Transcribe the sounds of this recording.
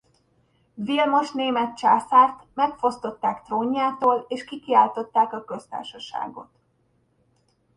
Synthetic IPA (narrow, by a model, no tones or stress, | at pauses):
vilmoʃneːmɛt̪̚t͡ʃaːsaːrt̪mɛkfo̞st̪o̞t̪ːaːkt̪roːɲːaːt̪oːleːʃkikiaːlt̪o̞t̪ːaːkɒkø̞st̪a̰ːrʃɒʃa̰ːɡo̞̰t̪